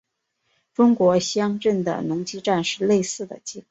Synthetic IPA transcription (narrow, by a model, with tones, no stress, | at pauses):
ʈ͡ʂʊ˥ŋkwɔ˧˥ɕjɑ˥ŋʈ͡ʂə˥˩nd̪ə̰˩nʊ˧˥ŋt͡ɕi˥ʈ͡ʂa˥˧nʂɻ̩˥˧le˥˧ɪsɹ̩˥˩d̪ə̰˩t͡ɕi˥˩k